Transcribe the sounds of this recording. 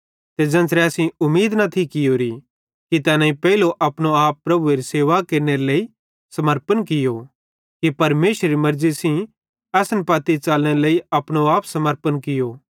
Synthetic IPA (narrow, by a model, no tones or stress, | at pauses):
t̪ed͡ʒɐ̃nsɾɛɐsĩʊmːiːd̪nɐt̪ʰikɪjoːɾi | kit̪ɛːnãːĩpɛiloʔɐpɽ̃oaːpːɾɐbueɾiseːʋakeːɾneɾeleːi | sɐməɾpənkɪjo | kipɐɾmeːʃɾɾimɐɾzisĩ | ɐsənpaːt̪it͡ʃaːlnẽɾleːiɐpɽ̃oaːpsɐməɾpənkɪjoː